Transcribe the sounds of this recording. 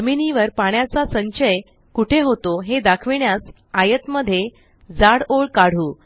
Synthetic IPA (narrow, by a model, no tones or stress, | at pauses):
əminiʋəɾpaɳ̃jat͡sasəɲɕəj | kuʈʰeɦot̪oɦed̪akʰʋiɳjas | ajət̪məd̪ʱːje | d͡zaɽoɭkaɽ̤uː